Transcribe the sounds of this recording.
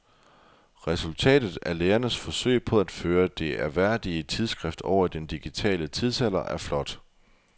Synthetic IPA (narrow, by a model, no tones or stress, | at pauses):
ʁɛsult͡sʰɛ̰ːd̥ð̩ˠæɐleːɐnəsfɒ̽sø̰ɪ̰pʰɒ̽æd̥føːɐd̥e̝æɐʋæɐ̰d̥iət͡sʰið̞ˠsɡ̥ʁɛfd̥ɒ̰ʊɐid̥end̥iɡ̥it͡sʰɛ̰ːlət͡sʰið̞ˠsæl̰ɐʔæɐflɒ̽d̥